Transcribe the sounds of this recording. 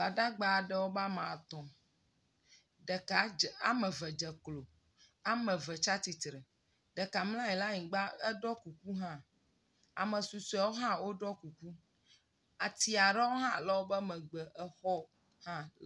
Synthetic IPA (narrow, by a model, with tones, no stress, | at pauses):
ba˨ɖa˦ɡ͡ba˨ɖɛ˦wo˦ba˦mã˨t̪ɔ̃˨ | ɖɛ˨ka˨a˨mə˨və˨d͡ʒɛ˨klo˨ | a˦mə˨və˨t͡ʃa˦t̪i˨t̪ɾə˨ | ɖɛ˨ka˨mlã˦jɛ˨la˦ɲĩ˨ɡ͡ba˦ə˦ɖɔ˦ku˨ku˦ɦã˦ | a̰˨mə̃˨su˨sɛ˨wo˦ɦã˦wo˦ɖɔ˦ku˨ku˦ | a˨t̪i˨a˨ɖɛ˦wo˦ɦã˦˨lə˦wo˦bə˦mɛ̃˨ɡ͡bɛ˨ʔɛ˦˨xɔ˦ | hã˦l